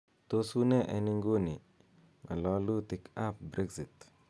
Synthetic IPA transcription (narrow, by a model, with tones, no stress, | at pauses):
t̪o˦su˦nɛ˦ʔɛ̰˨ni˦ŋɡo˦ni˨ | ŋa̰˨lɔ˦lu˦t̪i˨kʰa˦p̚bɾʔɛ˦ɡsi˨t